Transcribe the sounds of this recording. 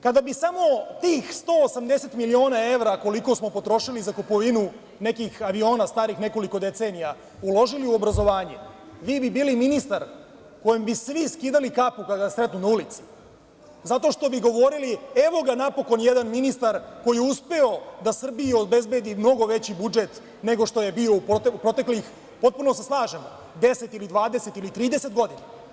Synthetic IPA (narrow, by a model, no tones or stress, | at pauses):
kad̪abisamo̞t̪iːxst̪oːsamd̪ese̞t̪milio̞ːnae̞ʋɾako̞liko̞smo̞po̞t̪ɾo̞ʃilizakopo̞ʋinu | ne̞kixaʋio̞ːnast̪aːɾixne̞ko̞liko̞d̪e̞t̪seːnija | ulˠo̞ʒiliuo̞bɾazo̞ʋaːɲe | ʋiːbibiːliminist̪aɾ | ko̞jembisʋiskiːd̪alikapukaasɾe̞t̪nunaulit̪si̥ | zat̪o̞ʃt̪o̞biɡoʋo̞ɾilie̞ʋo̞ɡanapo̞ko̞njed̪anminist̪aɾko̞jijeuspeo̞d̪asr̩bijiobe̞zbed̪imno̞ɡo̞ʋe̞t͡ɕibud͡ʒet̪ | ne̞ɡo̞ʂt̪o̞je̞bio̞up̪upɾo̞t̪eklix | po̞t̪̚puno̞seslˠaːʒemo | d̪e̞se̞t̪ilid̪ʋaːd̪ese̞t̪ilit̪ɾiːd̪e̞se̞t̪ɡo̞d̪ina